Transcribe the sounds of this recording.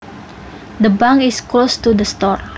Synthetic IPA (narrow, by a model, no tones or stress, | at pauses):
d̪əbãŋɪsklost̪udəst̪ɔr